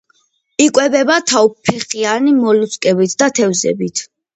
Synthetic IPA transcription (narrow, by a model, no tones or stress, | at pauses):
ikʼwɛbɛbat̪ʰawpʰːɛχianimɔluskʼɛbit̪ʰd̪at̪ʰɛvzɛ̰bit̪ʰ